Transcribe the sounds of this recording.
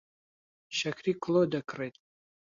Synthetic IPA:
ʃɐkʰriːkʰʷlodɐkʰrejtʼ

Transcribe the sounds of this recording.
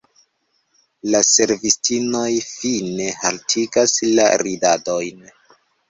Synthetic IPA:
lase̞ɾvistʰino̞jfine̞haltʰiɡasla̰ɾidado̞jn

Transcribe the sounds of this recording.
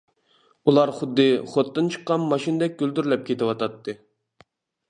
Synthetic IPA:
ulˠɑɾχʊd̪ːɨχot̪ːɨnt͡ʃʰɨ̥qːɑnmɑʃinɨd̪ɛk̚ʲɡ̥ʲyld̪yɾlɛp̚kʲʰet̪ɪwɑt̪ʰɑt̪ʰːɨ

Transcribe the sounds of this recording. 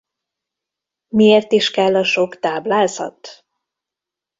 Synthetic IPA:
mieːrt̪iʃkɛlːɒʃo̞kt̪aːblaːzɒ̰t̪

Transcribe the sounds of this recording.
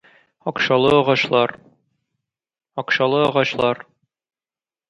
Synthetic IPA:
ɒqɕɑlˠɤɒʁɑɕlˠɑɾ | ɒqɕɑlˠɤɒʁɑɕlˠɑɾ

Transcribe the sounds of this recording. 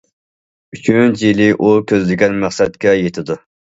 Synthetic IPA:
yt͡ʃʰʲyynt͡ʃjilɪʔukʲʰøzlɪɡʲɛnmæχsɛt̪̚kʲɛjet̪ʰɪd̪u

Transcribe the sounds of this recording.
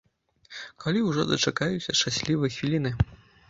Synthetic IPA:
kalʲiwʐɔd̪ɐt͡ʂakajusʲɐʂt͡ʂasʲlʲivɨjɐxvʲilʲinɨ

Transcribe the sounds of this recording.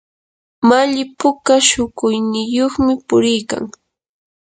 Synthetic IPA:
maʎɪpʊkaʃʊkʊjnɪjoχmɪpʊɾɪjka̰ŋ

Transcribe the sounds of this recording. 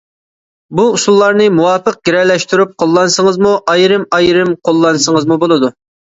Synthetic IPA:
buusulˠːɑɾnɨmuwɑːpəq̚ɡ̥ʲeɾɛlːɛʃt̪yɾyp̚qʰolˠːɑnsəŋəzmuʔɑjɾɨmɑjɾɨmqʰolˠːɑnsəŋəzmubolˠɨd̪u

